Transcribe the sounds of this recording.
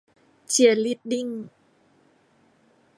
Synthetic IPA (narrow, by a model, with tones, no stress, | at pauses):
t͡ɕi˨˧˩ə˩li˦˥t̪̚di˥˨ŋ